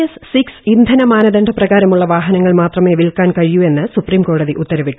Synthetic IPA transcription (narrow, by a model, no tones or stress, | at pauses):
essiksind̪ʱɐnɐmaːnɐðɐɳɖʰʱɐprɐɣaːɾɐmuɭːɐʋaːɦɐnɐŋːɐɭmaːt̪rɐme̞ːʋilkaːnkɐɻijue̞nːɨsupriːmko̞ːɽɐðiʔut̪ːɐɾɐʋiʈːu̥